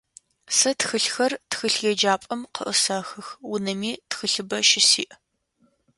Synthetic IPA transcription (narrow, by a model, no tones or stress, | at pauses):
sɐtxɨɬxɐrtxɨɬjɛd͡ʒaːpʼɐmqə̰ʔəsaxɨxwʊnɐmiːtxɨɬɨbɐʃɪsḭːʔ